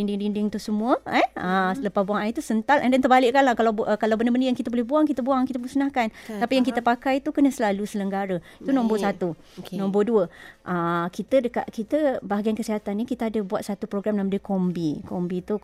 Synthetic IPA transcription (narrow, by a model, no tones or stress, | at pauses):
dindiŋdiŋdɪŋt̪usəmũəɛəsələpasbuaŋait̪usənt̪alʔɛndant̪ərbalɪʔkanlahkalaəkalawbəndəbəndəjaŋkit̪abolɛhbuaŋkit̪əbuaŋkit̪əbulsənahkant̪apijaŋkit̪əpakajt̪ukənəsəlalusələŋɡaɾəit̪unɔ̃mbosat̪u | nɔ̃mboduəʔəkit̪ədəka̰ʔkit̪əbaɦaɡiankəsiɦat̪anːikit̪aadəbuat̪sat̪upɾoɡɾamnãmdəkombikombit̪u